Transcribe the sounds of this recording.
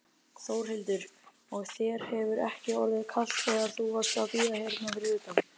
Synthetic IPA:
θoːwɾ̥hɪlt̪ʏɾ̥ | ɔɣθjɛɾ̥hɛvʏɾɛ̰hcɪɔɾðɪðkʰal̥t̪fɛɣaɾ̥θuvḁsawpiːðahɛɾnavɪɾʏːt̪am

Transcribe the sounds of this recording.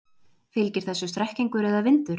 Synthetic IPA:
fɪlcɪɾ̥θɛsːʏst̪ɾɛhciŋkʏɾɛðavɪnt̪ʏɾ̥

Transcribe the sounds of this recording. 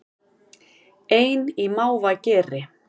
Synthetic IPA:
eːjnimaːwvacɛːɾɪ

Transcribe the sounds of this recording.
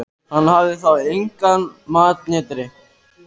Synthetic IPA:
hanɦaːʋeːsãːɪŋkaːnmaːt̪̚ɲẽːt̪ɾeː

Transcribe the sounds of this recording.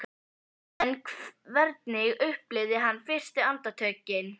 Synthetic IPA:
nkvɛɾt̪nɪɣʏhplɪðɪɦanːfɪr̥st̪ɪant̪at̪ʰœːcɪn

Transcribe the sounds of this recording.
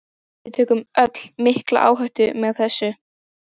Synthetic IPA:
vɪt̪ʰɛːkʏmœt̪l̥mɪhkla̰ʔa̰ːwɦœɥht̪ʏmɛðθɛsːʏ

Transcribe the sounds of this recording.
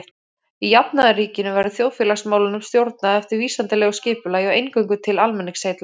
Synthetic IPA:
ijapnaðariːcɪnʏvajɾʏθjoːwfjɛːlasmaːwlɪnʏmst̪jowɾt̪̚naðɛft̪ɪɾviːsant̪ɪlɛɣʏscɪːpʏlaːjɔwejnkœɥwŋkʏt̪ʰɪlalmɛnːɪŋseːjt̪la

